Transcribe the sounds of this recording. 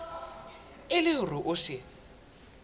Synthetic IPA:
ɪlɪʊrʊʔʊʃɪ

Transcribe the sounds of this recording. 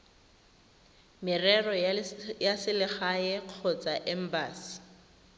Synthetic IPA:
mɪrɛrɔjasɪlɪχaɛq͡χʰɔt͡saʔɛm̩baːsɪ̥

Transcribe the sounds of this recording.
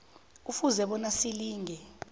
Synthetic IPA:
ufuzɛɓɔnasiliːŋʱɛ

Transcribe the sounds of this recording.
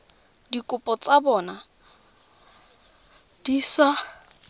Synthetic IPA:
dikʼʊpʼɔt͡sʼabɔːna | d̥isa

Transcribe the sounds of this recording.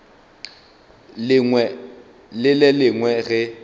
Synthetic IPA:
wɛ | lɪlɛlɪŋwɛɣɪ

